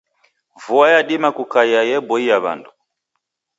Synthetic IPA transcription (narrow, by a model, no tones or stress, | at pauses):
vuajaɗimakukaiajɛbɔiaβa̰ndu